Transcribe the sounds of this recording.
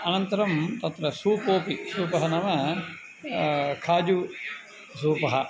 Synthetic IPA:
ɐnɐnt̪ɐɾɐmt̪ɐt̪ɾɐsuːpoːpisuːpɐɦɐnɐmɐ | kʰaːd͡ʒu | suːpɐɦɐ

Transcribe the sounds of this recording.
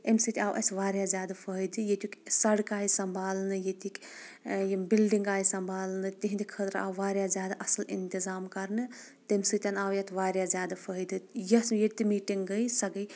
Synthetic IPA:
emsit̪iawʔɐ̰sʋaːɾjazʲjaːd̪apʰəɦid̪ɨjet̪ukʲsɐɽkaːisɐmbʱaːlnɨjet̪ik | jbilɖiŋɡaːjsɐmbʱaːlnɨt̪iɦind̪ikʰət̪ɾa̰ːwʋaːɾjazʲjaːd̪aʔɐsɐlḭnt̪izaːmkɐɾnɨ | t̪emsit̪ʲɐnaːwjɐt̪ʰʋaːɾjazjaːd̪apʰəɦid̪ɨjɐsjet̪imiːʈiŋɡɡəsɐɡəj

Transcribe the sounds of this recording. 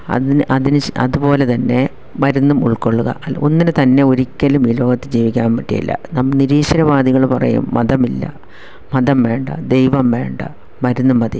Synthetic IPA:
ɐ̰ðinʔɐðinɨɐ̰ðupo̞ːle̞t̪ɐnːe̞ | ʋɐɾunːumuɭkoɭːuɣɐ̰ʔɐo̞̰nːinɨt̪ɐnːe̞o̞ɾikʲːɐlumiːlo̞ːɡɐt̪ːɨd͡ʑiːʋikʲːaːmpɐʈːijɐ̰lːɐ̰nɐmːɐniɾiːʂɐɾɐʋaːd̪iɣɐɭpɐrɐ̰jṵmːɐðɐmilːɐ̰ | mɐðɐmʋe̞ːɳɖɐ̰d̪e̞jʋɐmʋe̞̰ːɳɖɐ̰ | ʋɐɾunːumːɐðḭ

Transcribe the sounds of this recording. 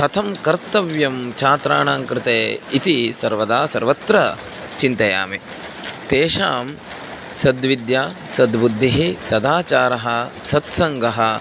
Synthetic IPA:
ɐt̪ʰɐmkɐɾt̪ɐʋjɐmt͡ʃʰaːt̪ɾaːɳaːŋkɾɪt̪eːit̪isɐɾʋɐd̪aːsɐɾʋɐt̪ɾɐ | t͡ʃint̪ɐja̰ːme | t̪eːʃaːm | sɐd̪ʋid̪jaːsɐd̪bud̪ʱːiɦisɐd̪aːt͡ʃaːɾɐɦɐsɐt̪sɐŋɡʱɐɦɐ

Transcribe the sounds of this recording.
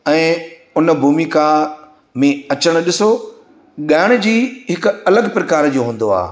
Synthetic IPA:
ɛ̃ː | ʊnbʱuːmika | mẽɐt͡ɕəɽ̃ɗɪso | ɠaːɪɽ̃̆d͡ʑiːɦɪkʊɐləɠpɾɐkaːɾd͡ʑoːɦũːn̆d̪oa̰ː

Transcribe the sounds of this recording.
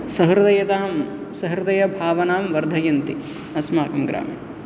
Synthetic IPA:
sɐɦɾɐd̪ɐjɐt̪aːm | sɐɦɾɐd̪ɐjɐbʱaːʋɐnaːmʋɐɾd̪ʱɐjɐnt̪i | ɐsmaːkɐmɡɾa̰ːmḭ

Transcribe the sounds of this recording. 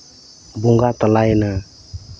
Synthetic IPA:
buŋɡat̪alajna

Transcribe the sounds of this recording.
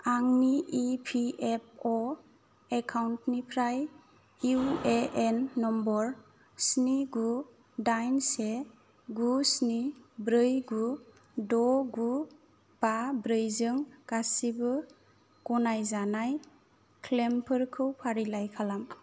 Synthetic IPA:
aŋniipʰiep̚ʰɔ | ekʰawntnipʰɾaj | ueenːɔmbɔɾ | sniɡu | dajnse | ɡusnibɾɯjɡu | dɔɡu | b̥abɾɯjzɯŋkasibɯ | kɔnajzanaj | kʰlempʰɯɾkʰɯwpʰaɾilajkʰalam

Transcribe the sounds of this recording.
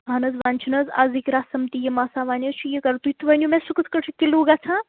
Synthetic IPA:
ɦɐnɐzʋaːnʲt͡ʃʰinɐza̰zikʲɾaːsɐmt̪ijɐmaːsaːʋaːnʲɐt͡ʃʰujikɐɾt̪uit̪ʰʋɐnʲjumesukɨt̪ʰkɐʈʰɨkiluːɡaːt͡ʃʰãː

